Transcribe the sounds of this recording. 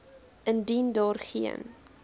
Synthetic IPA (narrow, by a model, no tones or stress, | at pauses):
əndindɑːrχḭə̰n